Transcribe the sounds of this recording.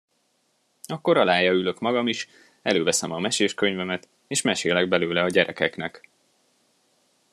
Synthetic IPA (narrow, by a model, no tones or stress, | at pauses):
ɒkːo̞ɾɒlaːjɒylø̞kmɒɡɒmiʃ | ɛløːvɛsɛmɒmɛʃeːʃkø̞ɲvɛmɛt̪ | eːʃmɛʃeːlɛɡ̚bɛløːlɛɒɟɛɾɛkɛknɛk